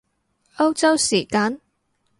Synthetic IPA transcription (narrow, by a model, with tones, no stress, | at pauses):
ɐ˥wt͡sɐ˥wsiː˨˩kaː˨˧˥n